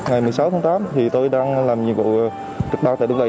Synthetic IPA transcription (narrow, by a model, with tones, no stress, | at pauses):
ŋa˨˩jmɨ˨˩əjsa˨˦wt̪ʰaː˨˦ŋt̪aː˨˦mt̪ʰi˨˩t̪o˧jɗaː˧ŋlaː˨˩mɲɨ̰˧˨vṵ˧˨ | t͡ɕɨ˨˩k̚ɓaː˧˩t̪a̰ː˧˨ɗʊ˧ŋ͡mvə˧˨